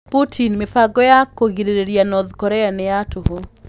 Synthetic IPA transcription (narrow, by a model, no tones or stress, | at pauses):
putʰinmefaɡɔjakoɣiɾeɾeɾjanɔðkɔɾɛaneatoɦo